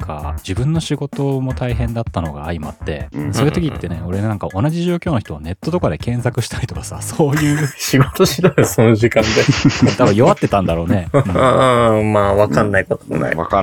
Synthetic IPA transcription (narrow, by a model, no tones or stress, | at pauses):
ka̰d͡ʑibɯ̟̃nːo̞ɕiɡo̞t̪o̞mo̞t̪aiɦẽ̞nd̪at̪ːano̞ɡa̰ːima̰t̪ːe̞̰so̞jɯ̟t̪okʲit̪ːe̞ne̞o̞ɾe̞nãŋkaʔo̞naʑiʑo̞ːkʲo̞ːno̞çi̥t̪o̞ane̞t̪ːo̞t̪o̞kad̪e̞kẽ̞ɰ̃sakɯ̟ɕi̥t̪ʰaɾit̪okḁsasoːjɯ̟ːɕiɡot̪oɕit̪ojosonoʑikãnd̪et̪abɯ̃jo̞βat̪ːe̞t̪ãnd̪aɾo̞ːne̞ɯ̃ | maːβakãnːaiko̞t̪o̥mo̰a̰ḭ